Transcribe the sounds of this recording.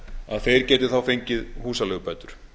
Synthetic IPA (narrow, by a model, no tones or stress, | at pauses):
aðθejɾcɛːt̪ɪ̥θawfejɲcɪðhuːsalɛːɣpɛt̪ʏɾ̥